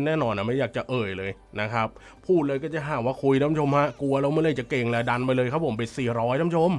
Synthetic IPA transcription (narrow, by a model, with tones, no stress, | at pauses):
nɛː˥˩nɔː˧nʔa˨˩ma˥˩jaː˨˩k̚t͡ɕa˨˩ʔɤː˨˩jlɤː˧jna˦˥kʰɾa˦˥p̚ʰːuː˥˩t̪̚lɤː˧kɔː˥˩t͡ɕa˨˩ɦaː˨˩mwaː˥˩kʰu˧jna˦˥˩mt͡ɕʰo˧mɦa˦˥ʔku˧ɐlɛː˦˥wma˥˩jlɤ˥˩jt͡ɕa˨˩ke˧ŋlɛː˦˥da˧npa˧jlɤː˧jkʰa˦˥p̚ʰo˩˦mpe˧˩nsiː˨˩ɾɔː˦˥jna˦˥˩t͡ɕʰo˧˥m